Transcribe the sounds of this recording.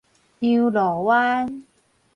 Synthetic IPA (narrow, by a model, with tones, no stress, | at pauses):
ɲi˧wlɔː˨˩˦waː˧˥n